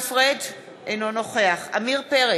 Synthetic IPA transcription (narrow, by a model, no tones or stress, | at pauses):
fʁed̪ | ʔejnono̞χe̞aχa̰miʁpeʁe